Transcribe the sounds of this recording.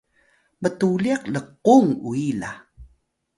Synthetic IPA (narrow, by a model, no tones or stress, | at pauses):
mətuliaqləqːuŋuila̰